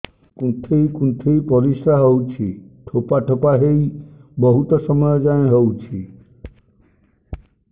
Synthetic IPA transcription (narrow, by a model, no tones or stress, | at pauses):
kũnt̪ʰejkunt̪ʰejpɔɾisɾaɦowt͡ʃʰiʈʰopaʈʰopaɦejbɔɦut̪ɔsɔmɔjɔd͡ʒãɦowt͡ʃʰi